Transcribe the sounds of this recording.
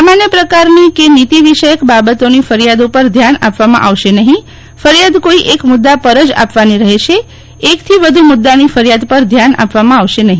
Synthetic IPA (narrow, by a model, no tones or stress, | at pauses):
samanjəpɾəkaɾnikenit̪iʋiʃəjəkbabət̪onifəɾjad̪upəɾd̪ʱjana̰pʋamã̰ʔaʋʃenəɦĩ | fəɾijad̪koiʔekmʊd̪ːapəɾəd͡ʒa̰pʋaniɾəɦeʃe | ekt̪ʰiʋəd̪ʱumʊd̪ːanifəɾjad̪pəɾd̪ʱjana̰pʋamãaʋʃenəɦĩ